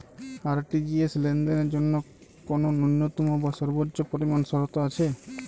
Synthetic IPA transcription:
aɾʈid͡ʑieslend̪eneɾd͡ʒonːo | kononunːot̪umobaʃɔɾbotːopoɾimansɔɾot̪oat͡ɕʰe

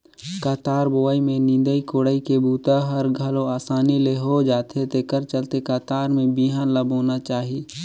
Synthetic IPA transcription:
kaːt̪aːɾboːaimẽnĩnd̪əikoːɽəikebuːt̪aɦəɾɡʱəloaːsaːnileɦod͡ʒaːt̪ʰet̪ekəɾt͡ʃəlt̪ekaːt̪aːɾmẽbiɦanləboːnat͡ʃaːɦi

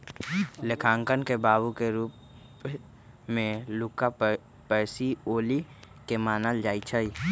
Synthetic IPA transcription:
lɪkʰãːŋkənkebaːbukeɾuːp | mẽluːka | pɛːsioːli | kemaːnəld͡ʒaːit͡ʃʰəi

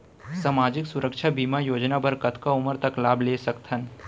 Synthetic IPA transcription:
saːmaːd͡ʒɪksʊɾəkʃʰabiːmajoːd͡ʒnabɐɾkət̪ʰkaʊməɾt̪ɐklaːbʱleːsɐkt̪ʰən

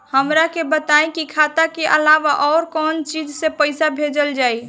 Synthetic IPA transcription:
həmɾakebət̪aẽkikʰat̪akeʔəlaʋaʔɔːɾkɔnt͡ʃid͡ʒsẽpəɪsabʱed͡ʒəld͡ʒaːi

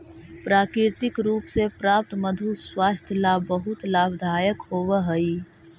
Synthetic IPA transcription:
pɾaːkɾɪɾt̪ɪkɾuːpsepɾaːp̚t̪məd̪ʱuswaːst̪ʰjəlabəɦʊt̪laːbʱd̪ʱaːjəkɦoːʋəɦəi

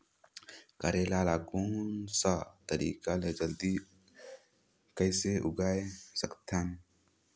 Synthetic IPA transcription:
kɐɾelalaɡunsat̪ɐɾḭkaled͡ʒɐld̪i | kəjseʔuɡajsɐkt̪ʰan

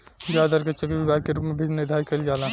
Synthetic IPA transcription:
d͡ʒaːd̪əɾket͡ʃokibibaːd̪̚keɾuːpmebʱed͡ʒned̪ʱaːikeld͡ʒaːlã

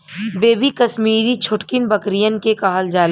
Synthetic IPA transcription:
beːbikɐsmiːɾit͡ʃʰʊʈkinbɐkɾijənkekaɦəld͡ʒaːl

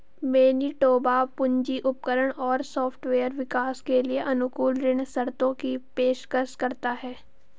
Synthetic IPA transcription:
meːniʈoːbapʊ̃ɲd͡ʒiʔʊp̚kəɾəɽ̃ɔːɾsɔːpʰʈʋeːəɾʋɪkaːskelieʔɐnʊkuːlɾɪɳsɐɾt̪õkipeːʃkəɾʃkɐɾt̪aɦɛː

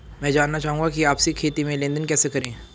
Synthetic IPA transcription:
mɛ̃ːd͡ʒaːnːat͡ʃaːɦũŋɡakiaːpsikʰeːt̪imẽlẽːnd̪ənkɛːsekɐɾẽː

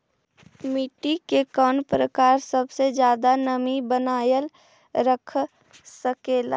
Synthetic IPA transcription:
miʈikekɔːnpɾəkaːɾsəbsed͡ʒjaːd̪anəmibənaːjəl | ɾəkʰ | səkeːla̰ː

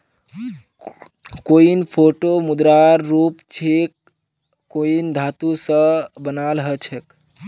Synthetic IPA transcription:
koinpʰoʈomud̪ɾaɾːupt͡ʃʰek̚ː | oind̪ʱat̪usə̃bənalɦət͡ʃʰək

